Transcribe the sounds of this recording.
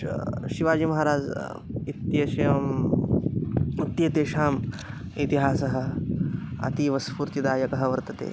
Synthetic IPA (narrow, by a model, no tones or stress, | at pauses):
ʃiʋaːd͡ʒimɐɦɐɾaːd͡ʒ | it̪jeʃɐm | it̪jeːt̪eːʃaːm | it̪iɦaːsɐɦɐ̆ | ɐ̰t̪iʋɐspuːɾt̪id̪aːjɐkɐɦɐʋɐɾt̪ɐt̪ḛː